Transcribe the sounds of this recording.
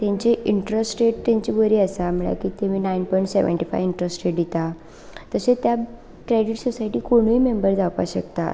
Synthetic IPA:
t̪ãɲt͡ɕeʔiɳʈɾəsʈeʈt̪ãɲt͡ɕibəɾiːəsam̤əɭja̰kiːt̪emiːnainpɔjɳʈseʋə̰ɳʈifa̰jʋiɳʈɾəsʈeʈd̪it̪a | t̪əset̪ja | kɾeɽiʈsosajʈiːkoɽ̃iːmembəɾd͡zapa̰ɕəkt̪a̰

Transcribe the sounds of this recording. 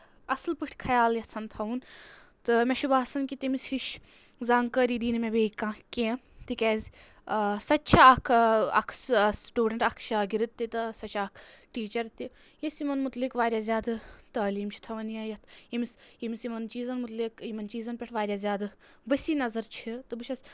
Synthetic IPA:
ɐslpɨʈʰʲkʰɐjaːljɐsɐnt̪ʰɐun | t̪ɨmeʃubaːsɐnkit̪imishiʃ | zaːŋkəːɾiːd̪iːnmebeːkãːkẽːt̪ikʲɛːzʲ | sɐtːt͡ʃʰaɐkʰɐ̰kʰssʈuːɖɐɳʈɐkʰʃaːɡiɾɨt̪ːit̪ɨsɐt͡ʃʰɐkʰ | ʈiːt͡ʃɐɾt̪i | jɐsimɐnmut̪likʋaːɾʲjaːzʲjaːd̪ɨt̪ɐːliːmt͡ʃʰi̥t̪ʰɐʋɐnjɐjɐt̪ʰimisimisimɐnt͡ʃiːzɐnmut̪likimɐnt͡ʃiːzɐnpʲeʈʰʋaːɾʲjaːzʲjaːd̪ɨ | ʋɐsiːnɐzɐɾt͡ʃʰit̪ɨbɨʃʰɐsʲ

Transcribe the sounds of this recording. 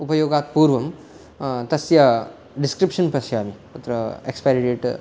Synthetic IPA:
upɐjoːɡaːt̪puːɾʋɐm | t̪ɐsja | ɖiskɾipʂənpɐsjɐmiut̪ɾɐekspeɾiʈeʈ

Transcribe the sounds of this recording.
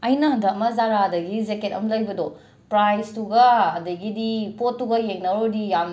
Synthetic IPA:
ɐjnɐɦɐndʱɐmɐzaɾadɐɡizeket̚ɐ̰mlɐjbɐdo | pɾajstuɡɐɐdɐɡidipotːuɡɐjeŋnɐɾodijam

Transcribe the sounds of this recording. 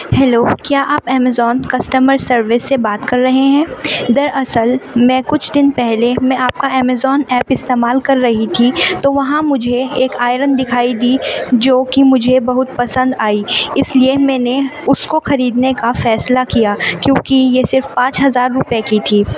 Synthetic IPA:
hɛːloːkjaːʔaːpɛːmɛzɔːnkɐsʈəməɾsɐɾʋɪsːebaːt̪kɐɾːɐɦeɦɛ̃ːd̪ɐɾʔɐsəlmɛ̃ːkʊt͡ʃʰd̪ɪnpɛɦlemɛ̃aːp̚kaɛːmɛzɔːnɛːpɪst̪eːmaːlkɐɾːɐɦit̪ʰit̪oʋɐɦãmʊd͡ʒʱeeːkaːɪɾənd̪ɪkʰaːid̪iːd͡ʒoːkimʊd͡ʒʱebɐɦʊt̪̚pɐsə̃nd̪aːiɪsliemɛ̃ːneʊskoxɐɾiːd̪nekafɛːslakijaːkjõːkijesɪɾfpãːt͡ʃɦɐzaːɾːʊpjekit̪ʰiː

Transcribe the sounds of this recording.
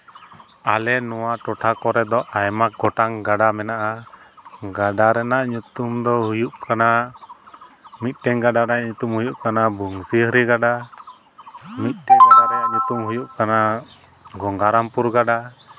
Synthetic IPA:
alɛnɔwaʈɔʈʰakɔɾɛd̪ɔʔajmaɡɔʈaŋɡaɖamɛnaʔa | ɡaɖaɾɛnaʔɲut̪umd̪ɔɦujuʔkana | mit̪̚ˀʈɛŋɡaɖaɾaɲut̪umɦhujuʔkanabuŋsiɦəɾiɡaɖa | mit̪̚ʈɛadaɾɛjaʔɲut̪umɦujuʔkana | ɡɔŋɡaɾampuɾɡaɖa

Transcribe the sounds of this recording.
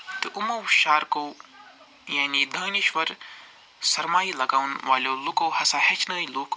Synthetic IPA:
t̪ɨʔumɐwʃaːɾkoː | jaːnid̪ʱɐːniʃʋɐɾ | sɐɾmaːɦilɐɡaːwnʋaːljoːlukoːhɐsaːhɐt͡ʃnɐːiloːk

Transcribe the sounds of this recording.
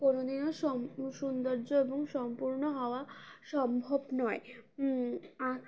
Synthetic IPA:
konod̪inoʃɔʃund̪oɾd͡ʑoeboŋʃɔmpuɾnoɦɔoaʃɔmbʱobnɔe | a

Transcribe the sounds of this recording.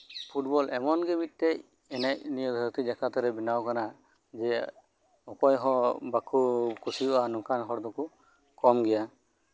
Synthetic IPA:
pʰuʈ̚bɔlʔɛmɔnɡɛmit̪̚ˀt̪ɛʔ | ɛnɛʔnijɔd̪ʱɔɾt̪id͡ʒakat̪ɔɾɛbinawkana | d͡ʒɛ | ɔpɔjɦɔ̃bakʰukʰusiɔʔanɔkanɦɔɾd̪ɔku | kɔmɡɛja

